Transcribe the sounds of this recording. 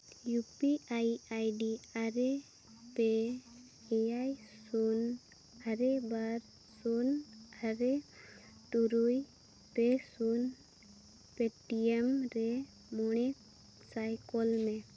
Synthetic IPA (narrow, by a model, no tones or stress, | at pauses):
jupiajajɖiaɾe | pe | ejajsun | aɾebaɾ | sunaɾe | ʈuɾuj | pesun | peʈiemɾɛ | mɔɽ̃ɛ | sajkɔlmɛ